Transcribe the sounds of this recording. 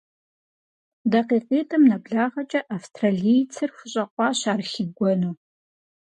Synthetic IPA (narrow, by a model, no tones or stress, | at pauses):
dɐqeːqeːtʼɐmnɐbɮaːʁɐt͡ʃʼɐʔafstʰʼraːɮijt͡sʰɨrxʷʊɕʼɐqʷʼɑːɕaːrxɪɡʷɔnuː